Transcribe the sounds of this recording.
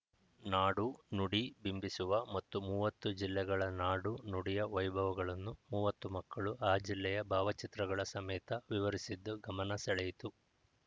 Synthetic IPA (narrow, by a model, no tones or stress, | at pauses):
naːɽunuɽibimbisuʋɐmɐt̪ːumuːʋɐt̪ːud͡ʒilːɛɡɐɭɐnaːɽunuɽijɐʋɐjbʱɐʋuɡɐɭɐnːumuːʋɐt̪ːumɐkːɐɭuʔaːd͡ʒilːɛjɐbʱaːʋɐt͡ʃit̪ɾɐɡɐɭɐsɐmɛːt̪ɐʋiʋɐɾisid̪ːuɡɐmɐnɐsɛɭɛjit̪u